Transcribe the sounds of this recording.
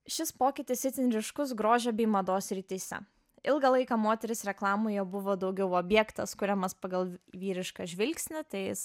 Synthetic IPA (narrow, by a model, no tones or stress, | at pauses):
ʃʲɪspoːkʲɪt̪ʲɪsʲɪt̪ʲɪnʲɾʲɪʃkʊs̬ɡɾoːʒʲɛbʲɛɪmɐd̪oːsʲɾʲit̪ʲiːsʲɛ̰ | ɪlˠɡɐlˠɐɪkɑmoːt̪ʲɛɾʲɪsɾʲɛklˠɑːmoːjɛbʊʋoːd̪ɐʊɡʲɛʊɔbʲjɛkt̪ɐskʊɾʲɛmɐspɐɡɐlˠʋʲiːɾʲɪʃkɑʒʲʋʲɪlʲksʲnʲɪt̪ɐɪjɪs